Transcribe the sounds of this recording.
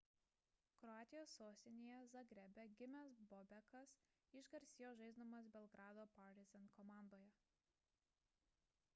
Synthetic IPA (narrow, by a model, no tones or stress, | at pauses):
kɾɔaːt̪ʲɪjoːsːoːsʲt̪ʲɪnʲejɛzɐɡɾʲɛbʲɛɡʲɪmʲɛsbɔbʲɛkɐs | ɪʒɡɐɾʲsʲɪjoːʒɐɪzd̪omɐsbʲɛlˠɡɾɑːd̪oːpɐɾɾʲɪzʲɛnkɔmɑˑnd̪oːjɛ